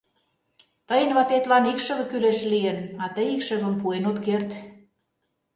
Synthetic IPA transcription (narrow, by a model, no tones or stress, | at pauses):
t̪ɤjənβɑt̪et̪lɑnikʃə̆βə̆kyleʃlijenɑt̪ə̆jikʃə̆βə̆mpuenot̪kert̪